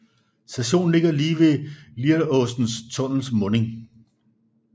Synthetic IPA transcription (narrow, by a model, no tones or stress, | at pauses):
sæɕo̝̰ːn̩le̝ɡ̥ɐliːʋe̝liɾɔ̽sd̥n̩st͡sʰɔ̽n̰l̩smɔ̽ːne̝ŋ